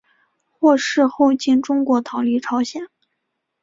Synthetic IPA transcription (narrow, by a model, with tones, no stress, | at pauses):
xwɔ˥˧ʂɻ̩˥˧xo˥˧ʊt͡ɕi˥˩nʈ͡ʂʊ˥ŋkwɔ˧˥t̪ʰɑ˧˥ʊli˥˩ʈ͡ʂʰɑ˧˥ʊɕjɛ˨˩˦n